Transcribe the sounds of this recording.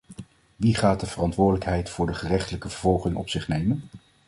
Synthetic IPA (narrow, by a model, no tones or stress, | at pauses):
ʋiχaːt̚dəvərɑntʋʊːɹdələkɦɛjtfʊːɹdəχərɛχtələkəvəɹvɔlˠχɪŋɔ̰psɪχnejmən